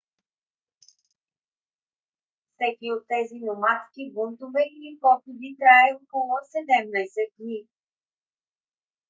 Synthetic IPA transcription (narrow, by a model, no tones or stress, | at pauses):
fsɛkʲiot̪ːɛzinomat̪kʲibunt̪uvɛʔilipɔpid̪it̪ɾaɛokolˠosɛd̪ɛmnɛjsɛt̪̚ɡni